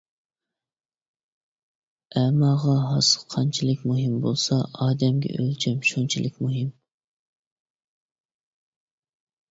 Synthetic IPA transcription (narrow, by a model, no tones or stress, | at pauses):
ɛmɑʁɑɦɑsə̥qʰɑnt͡ʃʰilˠɪkʲmuɦɪmbolˠsɑɑːd̪ɛmɡʲɛ̰ʔølt͡ʃʰɛmʃunt͡ʃʰilʔɪkʲmuɦɪm